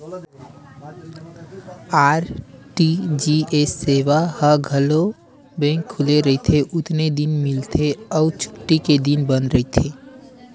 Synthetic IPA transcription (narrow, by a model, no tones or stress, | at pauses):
aːɾʈid͡ʒiesːeːʋahəɡʱəlo | bɛ̃ːŋkʰːʊleɾəɦit̪ʰeʔʊt̪ned̪ɪnmɪlt̪ʰeɔʊt͡ʃʰʊ̥ʈːiked̪ɪnbə̃nd̪ɾəit̪ʰeː